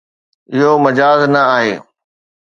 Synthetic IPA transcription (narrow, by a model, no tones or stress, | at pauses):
ɪɦomɐd͡ʑaːznɐaːɦeː